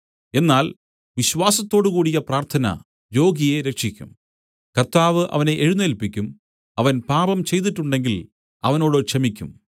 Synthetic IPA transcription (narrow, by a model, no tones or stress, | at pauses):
e̞nːaːl | ʋiɕʋaːsɐt̪ːo̞ːɽukuːɽijɐpraːrt̪ʰɐnɐ̰ | jo̞ːɡije̞ɾe̞kʂikʲːṵm | kɐrt̪aːʋɨʔɐ̰ʋɐne̞ʔeɻunːelpikʲːum | ɐʋɐnpaːbɐmt͡ɕe̞jt̪̬iʈːuɳɖe̞ŋɡil | ɐʋɐno̞ːɽokʂɐmikʲːum